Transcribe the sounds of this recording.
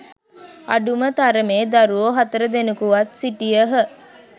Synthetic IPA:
a̰ɖumət̪aɾəmeːd̪aɾuoɦat̪əɾəd̪enukuʋat̪siʈijəɦə

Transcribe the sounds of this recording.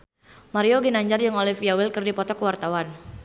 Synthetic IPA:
maɾioɡinaɲd͡ʒarjaŋolɛfiawɪlkɨrdipɔt̪ɔkəwart̪awan

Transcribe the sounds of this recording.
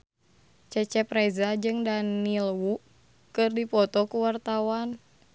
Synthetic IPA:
t͡ʃɛt͡ʃɛprɛzad͡ʒɨŋdanilwuʔ | kɨrdipɔt̪ɔkuwart̪awan

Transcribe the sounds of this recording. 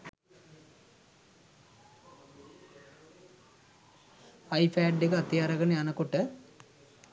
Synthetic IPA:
ajpʰaːɖːekəat̪ijaɾɐɡənəjanəkoʈə

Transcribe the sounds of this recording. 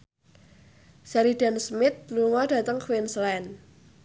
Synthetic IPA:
sɛɾidansmɪt̪̚luŋɔd̥ä̤t̪əŋkwɪnslɛn

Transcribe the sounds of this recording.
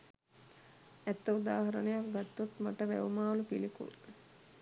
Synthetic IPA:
æt̪ːəud̪aːɦɐɾənejakɡat̪ːut̪maʈəʋæ̰ʋumaːʋlupilikṵ

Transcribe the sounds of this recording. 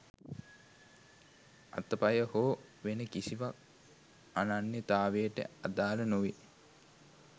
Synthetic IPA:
a̰t̪əpajəhoːʋenəkisiʋak̚ | ananːet̪aːʋejəʈə̰ad̪aːlənuʋi

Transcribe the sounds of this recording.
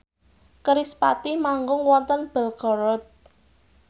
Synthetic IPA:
kəɾispa̰t̪imaŋɡʊŋwɔnt̪ənb̥ɛ̤lɡ̥ɔɾɔt̪̚

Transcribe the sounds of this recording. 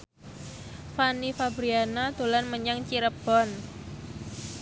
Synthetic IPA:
fanifabɾianad̪o̤lanməɲaŋt͡ʃiɾəb̥ɔn

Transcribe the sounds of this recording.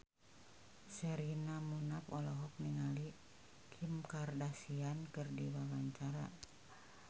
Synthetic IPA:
sɛɾinamunapɔlɔɦɔk̚niŋali | kʰimkardasiankɨrdiwawaɲt͡ʃaɾa̰

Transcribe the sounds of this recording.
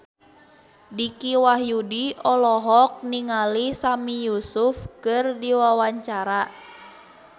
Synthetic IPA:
dikiwaɦjudiɔlɔɦɔk̚niŋalisamijusufkɨrdiwawaɲt͡ʃaɾa

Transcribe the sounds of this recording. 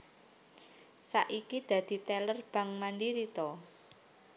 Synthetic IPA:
saʔikid̪̥ä̤d̪̥i̤t̪ɛlərb̥ä̤ŋmandiɾit̪ɔ

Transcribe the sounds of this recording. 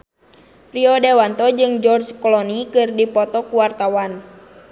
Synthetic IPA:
riɔdewant̪ɔd͡ʒɨŋd͡ʒɔrd͡ʒkɔlɔnikɨrdipɔt̪ɔkuwart̪awan

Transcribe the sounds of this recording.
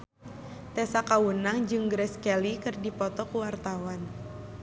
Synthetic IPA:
t̪ɛsakawənaŋd͡ʒɨŋɡɾɛskɛlikɨrdipɔt̪ɔkuwart̪awan

